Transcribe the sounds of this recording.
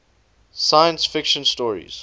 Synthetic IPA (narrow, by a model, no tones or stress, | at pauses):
sajə̃nsfɪkʃə̃nstɔːɹḭz̥